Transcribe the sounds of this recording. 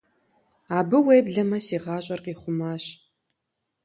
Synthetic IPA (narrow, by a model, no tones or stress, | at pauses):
aːbɨweːbɮɐmɐsiːʁɑːɕʼɐrqiːχʷʊmaːɕ